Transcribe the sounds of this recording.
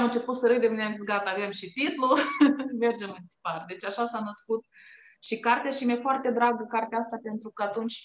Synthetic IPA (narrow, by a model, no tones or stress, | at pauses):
amɨnt͡ʃe̞put̪səɾɨjd̪emineamisɡat̪ave̞mʃit̪it̪lume̞rd͡ʒe̞mɨnt̪i̥pard̪e̞t͡ʃʲaʃasanəskut̪̚ | ʃikart̪eaʃimefoart̪e̞d̪ɾaɡəkart̪eaast̪ape̞nt̪ɾukəat̪unt͡ʃʲ